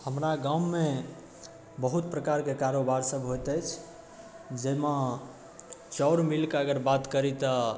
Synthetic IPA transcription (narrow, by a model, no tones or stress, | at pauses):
həmɾaɡãːe | bəɦut̪̚pɾəkaɾkekaɾobaɾsəbɦojt̪əjt͡ʃʰ | d͡ʒema | t͡ʃɔʊɾmilkəɡəɾbat̪kəɾit̪ə